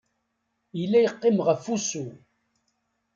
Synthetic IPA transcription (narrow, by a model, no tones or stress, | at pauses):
ilːæjəqːɪmʁəfusu